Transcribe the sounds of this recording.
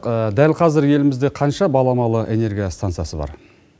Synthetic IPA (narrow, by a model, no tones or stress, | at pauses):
qəd̪ælqʰɑzɪɾje̞lɪmɪzd̪e̞qʰɑnʃɑbɑlˠɑmɑlˠəʔe̞ne̞ɾɡʲijast̪ant̪sɨjasəbɑ̰ɾ